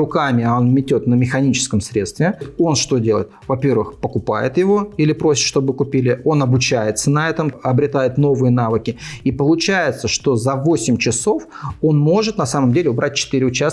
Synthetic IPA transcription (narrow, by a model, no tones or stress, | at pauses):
ʊkamʲɪao̞nmʲɪtʲo̞t̪nəmʲɪxɐnʲit͡ɕɪ̥skəmsɾʲe̞t̪st̪vʲɪo̞nʂt̪o̞dʲelə̰ɪt̪vɐpʲe̞rvɨxpəkʊpajɪ̰t̪jɪvo̞ilʲɪpɾo̞sʲɪ̥t̪ʂt̪o̞bɨkʊpʲilʲɪo̞nɐbʊt͡ɕæjɪt̪sənɐɛt̪əmɐbɾʲɪt̪ajɪt̪no̞vɨjənavɨkʲɪipəlˠʊt͡ɕæjɪt̪səʂt̪o̞zɐvo̞sʲɪmʲt͡ɕɪso̞f | o̞nmo̞ʐɨt̪nɐsaməmdʲelʲɪʊbɾʔat̚ʲt͡ɕɪ̥t̪ɨɾʲɪʊt͡ɕas